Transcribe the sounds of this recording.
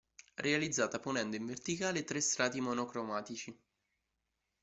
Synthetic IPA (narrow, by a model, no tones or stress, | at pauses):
rʔealid̪zːaːt̪aponɛnd̪oiɱvert̪ikaːlet̪ɾest̪ɾaːt̪imonokɾomaːt̪it͡ʃi